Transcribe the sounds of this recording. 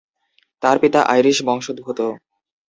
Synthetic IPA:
t̪aɾpit̪aʔa̰jɾiʃbɔŋʃod̪̚bʱut̪o

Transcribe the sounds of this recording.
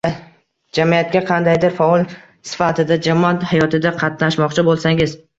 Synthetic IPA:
d͡ʒamijat̪̚kʲaqʰɑnd̪ajd̪ɪɾfaɒlˠ | sɪ̥fat̪ʰɪd̪ad͡ʒamɒat̪hajɒt̪ɪd̪aqʰɑt̪naʃmɒqt͡ʃʰɪbolˠsaŋɪz

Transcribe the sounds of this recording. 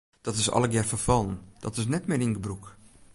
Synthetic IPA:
d̥ɔtɪsɔ̰lˠəɡjɛrfəfɑlˠənd̥ɔtɪsnɛtmɪɾɪŋɡəbruk

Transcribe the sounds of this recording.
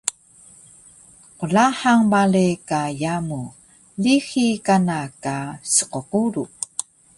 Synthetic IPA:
qulaħaŋbalekajamu | lixikanakasə̥qoquɾu

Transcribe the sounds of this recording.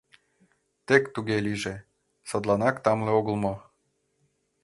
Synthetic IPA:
t̪ekt̪uɣeliʒe | sɤd̪lˠɑnɑkt̪ɑmleoɣə̆lmo

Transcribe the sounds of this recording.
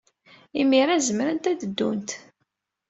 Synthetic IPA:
imiɾæzəmɾənt̪æd̪əd̪ːunt̪

